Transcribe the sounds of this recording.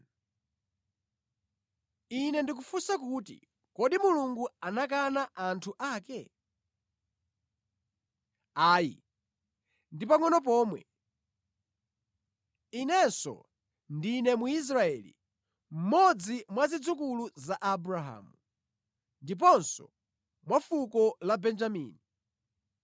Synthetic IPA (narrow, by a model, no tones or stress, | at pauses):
inɛndik̬ufusakuːtḭ | kɔɗimuluŋɡuanak̬anaʔantʰuʔaːkɛ | aːjḭ | ndipaŋɔnɔp̬ɔːmwɛ̰ | inɛsɔ̰ | ndinɛmuis̬ɾaɛːlḭ | m̩mɔd͡zimwazid͡zukuluzaʔabuɾaɦa̰ːmu | ndip̬ɔnsɔ̰ | mwafukɔlabɛnd͡ʒamḭːni